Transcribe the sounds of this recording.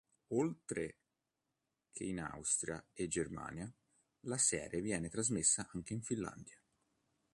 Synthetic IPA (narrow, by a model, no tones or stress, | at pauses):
olt̪ɾe | kʰeina̰wst̪ɾja̰ed͡ʒerma̰ːnja | lasɛ̰ːɾjevjɛːnet̪ɾazmesːaʔaŋk̟eiɱfilːa̰nd̪ja